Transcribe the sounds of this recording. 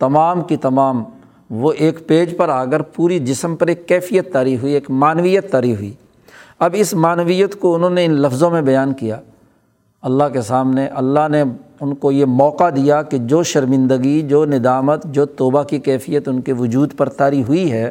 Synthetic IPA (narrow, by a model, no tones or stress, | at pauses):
t̪ɐmaːmkit̪ɐmaːm | ʋoʔeːkpeːd͡ʒpɐɾaːkəɾpuːɾid͡ʒɪsəmpɐɾeːkːɛːfijət̪ːaːɾiɦʊieːkmaːnʋijət̪ːaːɾiɦʊḭː | ɐbɪsmaːnʋijət̪koʊnɦõːneɪnlɐfzõmẽbɐjaːnkijaː | ɐlːaɦkesaːmneʔɐlːaɦneʊnkojemɔːqad̪ijaked͡ʒoːʃɐɾmɪ̃nd̪əɡid͡ʒoːnɪd̪aːmət̪d͡ʒoːt̪oːbakikɛːfʰijət̪ʊnkeʋʊd͡ʒuːd̪pɐɾt̪aːɾiɦʊiɦɛː